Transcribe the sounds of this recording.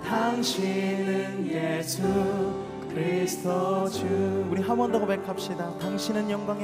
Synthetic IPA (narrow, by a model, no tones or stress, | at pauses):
taŋɕʰinɯnjesʰu | kkɯɾistʰɔt͡ɕuuɾiɦamʌndoɡobekʰap̚ɕ͈idataŋɕʰinɯnjʌŋɡwaŋ